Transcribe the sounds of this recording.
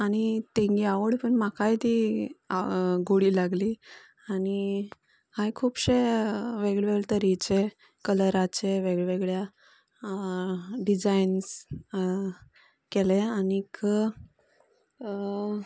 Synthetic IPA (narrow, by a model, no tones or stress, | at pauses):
aɽ̃it̪eŋɡiaʋəɽpəɳmakajt̪ia̰ɡoɽiːlaɡli | aɽ̃i | hajkʰuːpɕeʋeɡɭeʋeɡɭt̪əɾit͡ɕe | kələɾat͡ɕeʋeɡɭʋeɡɭja | ɖid͡zains | keleanikə